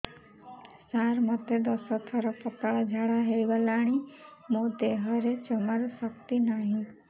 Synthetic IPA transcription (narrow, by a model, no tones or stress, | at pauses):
saɾmət̪ed̪əsət̪ʰəɾɔpət̪aɭad͡ʒʱaɽaɦeʋəlaɽ̃imod̪eɦəɾet͡ʃəməɾsəkt̪inaɦĩ